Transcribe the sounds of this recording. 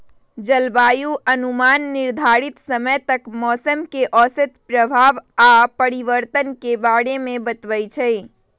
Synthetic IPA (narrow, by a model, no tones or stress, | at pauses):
d͡ʒəlbajuʔənumanːiɾd̪ʱaɾit̪səməjt̪əkmɔːsəmkeʔɔsət̪pɾəbʱaʋapəɾiʋəɾt̪ənkebaɽemebət̪bəjt͡ʃʰɛ